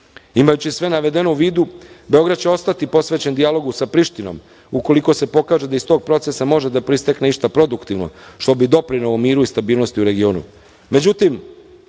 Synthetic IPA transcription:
imajut͡ɕisʋe̞naʋe̞d̪e̞nouʋiːd̪ube̞o̞ɡɾad̪̚t͡ɕe̞o̞st̪at̪ipo̞sʋe̞ːt͡ɕe̞nd̪ijalo̞ɡusapɾiʃt̪ino̞̰m | uko̞liko̞se̞po̞kaːʒed̪aist̪o̞ːɡ̚pɾo̞t̪sesamo̞ʒed̪apɾist̪ekneiʃt̪apɾo̞d̪ukt̪iʋno̰ʃt̪o̞bid̪o̞pɾinoomiːɾuist̪abiːlno̞st̪iuɾe̞ɡio̞ːnṵ | me̞d͡ʑut̪im

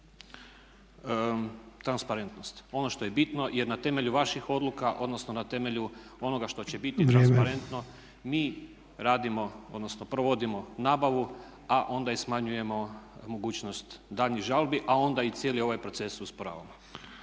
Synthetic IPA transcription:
t̪ɾanspaɾe̞nt̪no̞st̪o̞no̞ʃt̪o̞je̞bit̪no̞je̞ɾnat̪e̞me̞ʎuʋaʃixo̞d̪lukaʔo̞d̪no̞snonat̪e̞me̞ʎuo̞no̞ɡaʃt̪o̞t͡ɕe̞bit̪it̪annspaɾe̞nt̪no̞ | miː | ɾaːd̪imo̞o̞d̪nosno̞pɾoʋo̞d̪imo̞naːbaʋu | aʔo̞nd̪aismaɲuje̞mo̞mo̞ɡuːt͡ɕno̞st̪d̪aːʎɲiɣʒalbiʔao̞nd̪ait̪sjelio̞ʋajpɾo̞t̪se̞suspoɾa̰ːʋa̰mo

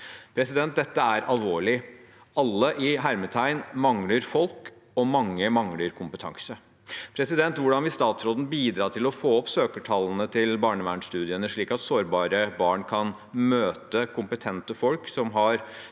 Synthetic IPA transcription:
pʰɾɛsɪd̪ɛnt̪̚d̪ɛt̪ːəæɾɑlˠʋoːɭɪ | ɑlːəʔɪɦæɾmət̪ʰæɪnmɑŋləɾfɔlk | ɔmɑŋːəmɑŋləɾkʰʊmpət̪ʰɑ̰ŋsə | pʰɾɛsɪd̪ɛnt̪ʋʊɖɑnʋɪst̪ɑːt̪sɾoːd̪n̩biːd̪ɾɑːʈʰɪlɔfoːɔpsøːkəʈʰɑlːən̩ət̪ʰɪlbɑːɳəʋæːɳʂt̪ʉːd̪ɪənəʂɭiːkɑt̪soːɾbɑːɾəbɑːɳkʰɑn | møːt̪əkʰʊmpət̪ʰɛnt̪əfɔlksɔmɦɑɾ

